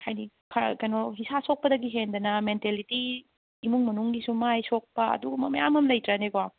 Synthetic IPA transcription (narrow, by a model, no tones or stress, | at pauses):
kʰajni | kʰakɐjnoɦisasok̚pɐdɐɡiɦendɐnɐmentelitiː | muŋmɐnuŋɡisumajsok̚pɐɐ̰duɡumɐmɐjamɐmlɐjtɾɐnekowa